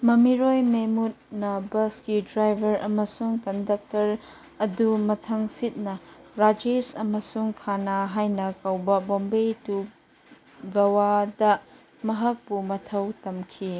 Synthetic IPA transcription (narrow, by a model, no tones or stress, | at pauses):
mɐmiɾojmemut̚nɐbɐskidɾajbʱɐɾɐmɐsuŋkɐndɐk̚tɐɾ | ɐdumɐtʰɐŋsit̚nɐɾad͡ʒesɐmɐsuŋkʰanaɦajnɐkɐwbɐbombejtu | ɡɐwadɐ | mɐɦɐk̚pumɐtʰɐwtɐmkʰi